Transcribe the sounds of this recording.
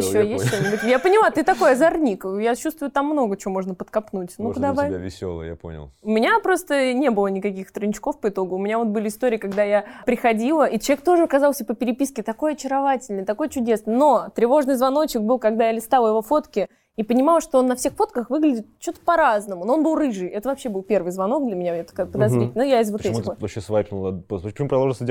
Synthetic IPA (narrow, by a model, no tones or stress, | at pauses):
jɪɕːojesʲt̪ʲːt̪onʲɪbʊt̪ʲjapənʲɪlˠat̪ɨt̪ɐko̞jɐzɐrnʲikjat͡ɕust̪vʊjʊt̪amːno̞ɡət͡ɕɪvomo̞ʐnəpət̪kɐpnutʲnukʊd̪avajʲɪ̰sʲo̰lˠə̰ja̰po̰nʲɪ̰lˠʊmʲɪnʲapɾo̞st̪ənʲe̞bɨlˠənʲɪkɐkʲixt̪rnʲt͡ɕɪ̥ko̞fpəɪt̪o̞ɡʊʊmʲɪnʲavo̞t̪̚bɨlʲɪɪst̪o̞ɾʲɪːkɐɡd̪ajapɾʲɪxɐdʲilˠəʔit͡ɕlˠɐvʲek̚t̪o̞ʐɨɐkɐzɑlˠsʲəpəpʲɪɾʲɪpʲiskʲɪt̪ɐko̞jɐt͡ɕɪɾɐvatʲɪlʲnɨjt̪ɐko̞jt͡ɕʊdʲe̞snɨjno̞t̪ɾʲɪvo̞ʐnɨjzvɐno̞t͡ɕɪk̚bɨlˠkɐɡ̚d̪ajalʲɪst̪alˠəjɪvo̞fo̞t̪kʲɪ | ipənʲɪmɑlˠʂt̪oonːɐfsʲexfo̞t̪kəxvɨɡlʲɪdʲɪt̪̚t͡ɕut̪ə̥pɐɾaznəmʊnoo̞nbɨlˠrɨʐɨjɛt̪əvɐpɕːebɨlˠpʲe̞rvɨjzvɐno̞k̚d̪lʲɐmʲɪnʲavet̪kapəd̪ɐzɾitʲɪlʲnjaɪzvot̪ɛmʲɪəvɐɕesvajpʲnʊ̰lˠpppə̥t͡ɕɪmupɾɐd̪ˠoʐlˠsʲədʲ